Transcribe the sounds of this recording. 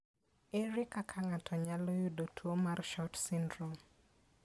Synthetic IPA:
eɾɪkakʰaŋatʰɔɲalɔjudotʰwomarʃɔtsindɾɔm

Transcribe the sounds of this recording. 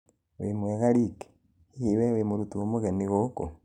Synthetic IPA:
wemwɛɣaɾike̥ | hiiwewemoɾutuwomoɣeniɣoko

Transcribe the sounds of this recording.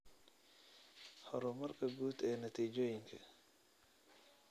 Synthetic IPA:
hɔɾʊmɐrkʰɐɡuːd̪ɛːnɐt̪ʰiːd͡ʒɔːjɪŋkʰɐ̰

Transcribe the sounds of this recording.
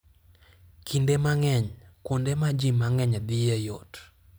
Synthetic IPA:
kʰindemaŋɛɲkondemad͡ʒimaŋɛɲd̪ɪjejot

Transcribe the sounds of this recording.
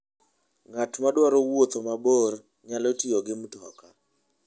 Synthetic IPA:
ŋatmadwaɾɔwot̪omabor | ɲalɔtijɔɡɪmtɔka

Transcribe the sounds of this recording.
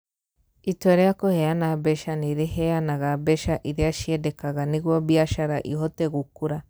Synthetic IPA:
itweɾeakohejanabɛʃaniɾeɦejanaɣabɛʃaʔiɾiaʃiedekaɣaniɣwobiaʃaɾaʔḭɦoteɣukuɾa

